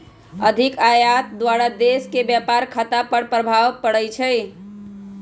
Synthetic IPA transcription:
əd̪ʱikajat̪d̪waɾad̪eskebjapaɾkʰat̪apəɽpɾəbʱaʋpəɽɛt͡ʃʰəj

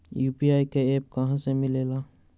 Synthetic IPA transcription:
jupiajkeep̚kaɦãsemɪlela

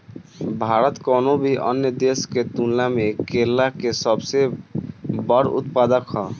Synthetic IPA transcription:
bʱaɾət̪kɔnobʱiʔə̰njəd̪esket̪unlamekelːakesəbse | bəɾṵt̪̚pad̪əkhɔ

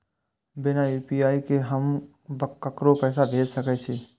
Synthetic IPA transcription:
bɪnajuːpiaːikeɦəm | bəkːɐkɾopɛːsabʱeːd͡ʒsɐkɛt͡ʃʰi

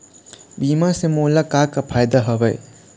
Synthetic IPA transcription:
bimasemulakakɐpʰajd̪aɦʌbɐ̰j

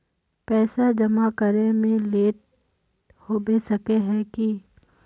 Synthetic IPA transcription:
pɛːsad͡ʒɐmakəɾemẽleːʈ̚ | hoːbeːsɐkeɦɛ̃ki

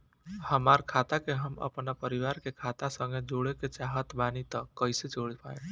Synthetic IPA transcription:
həmaːɾkʰat̪akeɦəmə̰pnapəɾiwaːɾkekʰaːt̪asə̃ŋɡed͡ʒoɽeket͡ʃaɦət̪baːnit̪əkːəɪset͡ʃoɽpaːẽ

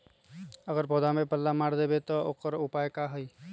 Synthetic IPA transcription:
əɡəɾpod̪amepəlːamaɽd̪ebet̪ɔokəɾupajkaɦəj

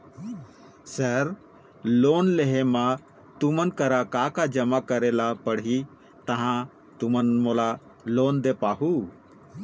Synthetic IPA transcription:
səɾ | loːnleɦemã | t̪umənkəɾakakad͡ʒəmakəɾɛlapəɽɦi | t̪ɐɦã | t̪ʊmənmola | loːnd̪epaːɦu

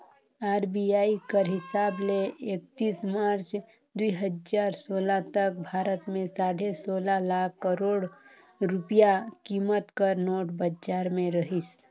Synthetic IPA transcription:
aːɾbiaːikəɾɦɪsaːbleek̚t̪iːsmaːɾt͡ʃ | d̪uiɦəd͡ʒaːɾsoːlat̪ək̚bʱaːɾət̪mẽsaːɽesoːlalaːkʰːəɾoːɽ | ɾʊpijakiːmət̪kəɾnoːʈbəd͡ʒaːɾmẽɾəɦis

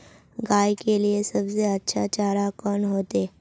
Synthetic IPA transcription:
ɡaːikeliesɐbseɐtːʃʰat͡ʃaːɾakɔːnɦoːt̪eː

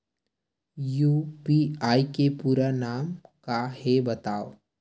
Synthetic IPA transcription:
juːpiaːikepuːɾanaːmkaɦebɐt̪aːo

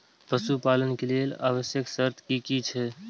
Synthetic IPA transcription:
pəsupaːlənkelelaːʋəsjəksəɾt̪ʰkikit͡ʃʰɛ

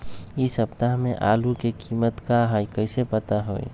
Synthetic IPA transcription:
isəpt̪aɦmẽʔaːlukekiːmət̪kaɦajkəɪsepət̪aɦo̰ːḭ

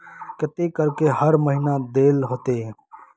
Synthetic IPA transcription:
kɪt̪ekəɾkeɦəɾməɦinaːd̪eːlɦoːt̪eː

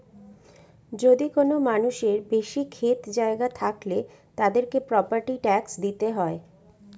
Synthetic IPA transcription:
d͡ʑod̪ikonomanuʃeɾbeʃikʰet̪d͡ʑaeɡat̪ʰakle | t̪ad̪eɾkepɾɔpaɾʈiʈɛksd̪it̪eɦɔe

